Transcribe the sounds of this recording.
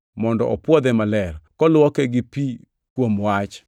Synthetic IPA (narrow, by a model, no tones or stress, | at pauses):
mɔndɔʔɔpwɔd̪ɛmalɛrkɔlʊwɔkɛɡɪpi | kwomwat͡ʃ